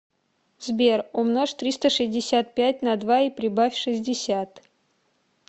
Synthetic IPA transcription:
zbʲerʊmnoʂt̪ɾʲist̪əʂɨzʲdʲɪsʲat̪̚pʲæt̚ʲnɐd̪vaipɾʲɪbafʲʂɨzʲdʲɪsʲat̪

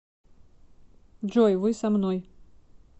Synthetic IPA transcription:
ʐɔjvɨsamnɔj

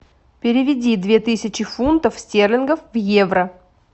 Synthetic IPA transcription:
pʲɪɾʲɪvʲɪdʲid̪vʲe̞t̪ɨsʲɪt͡ɕɪfunt̪əfsʲtʲerlʲɪnɡəfvjevɾə

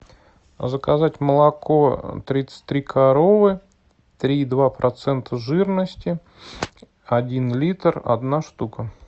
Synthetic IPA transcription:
zəkɐzatʲməlˠɐko̞t̪ɾʲit̪sə̥t̚ʲt̪ːɾʲikʰɐɾo̞vɨ | t̪ɾʲid̪vapɾʔɐt̪sɛnt̪əʐɨrnəsʲtʲɪ | ɐdʲinlʲit̪rɐ̰d̪naʂt̪ukə

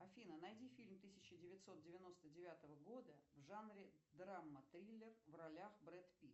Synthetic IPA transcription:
ɐfʲinənɐjdʲifʲilʲmt̪ɨsʲɪt͡ɕɪdʲɪvʲɪt̪ʲso̞t̪̚dʲɪvʲɪno̞st̪ədʲɪvʲat̪əvəɡo̞d̪əvʐanɾʲɪd̪ɾamːət̪ɾʲilʲːɪrvrɐlʲaxbɾɛt̪pʲi

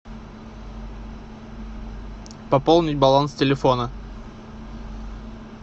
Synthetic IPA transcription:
pɐpolˠnʲɪtʲbɐlˠanstʲɪlʲɪfonə

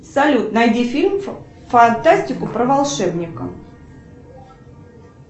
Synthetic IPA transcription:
sɐlʲut̪nɐjdʲifʲilʲm | fɐnt̪asʲtʲɪkʊpɾəvɐlˠʂɛbnʲɪkə̰m

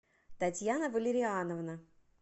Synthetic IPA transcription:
t̪ɐtʲjanəvəlʲɪɾʲɪanəvnə

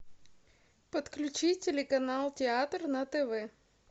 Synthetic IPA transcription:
pət̪klʲʉt͡ɕitʲɪlʲɪkɐnalˠtʲɪat̪rnɐt̪ɛvɛ

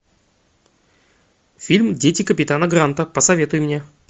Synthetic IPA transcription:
fʲilʲmdʲetʲɪkəpʲɪt̪anəɡɾant̪əpəsɐvʲe̞t̪ʊjɪmnʲe

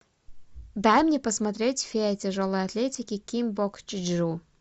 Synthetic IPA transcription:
d̪ajmnʲepɐsmɐt̪ɾʲetʲfʲetʲʰeʐolˠojɐt̪lʲetʲikʲɪkʲimbokt͡ʃʰɪd͡ʒʐu

